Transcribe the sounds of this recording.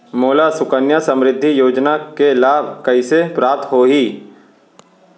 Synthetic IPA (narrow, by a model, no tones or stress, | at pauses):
moːlasʊkənjasə̃mɾɪd̪ʱːijoːd͡ʒnakelaːbʱkɐisepɾaːp̚t̪ɦoːɦiː